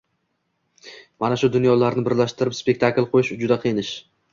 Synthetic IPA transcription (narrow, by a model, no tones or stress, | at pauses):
manaʃʊd̪ʊnjɒlaɾnɪbɪɾlaʃt̪ɪɾɪpspe̞k̚ʲt̪ʰaklˠqʰojɪʃd͡ʒʊd̪aqʰɨjɪnɪʃ